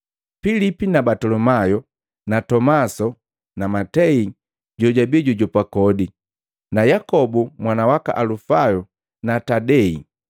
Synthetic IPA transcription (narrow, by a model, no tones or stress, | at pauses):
filipinabatɔlɔmajɔ | natɔmasɔ | namatɛi | ɟɔɟabiɛɟɔɟɔpakɔdi | najakɔbumwanawaka̰ʔalufajɔ | natadɛḭ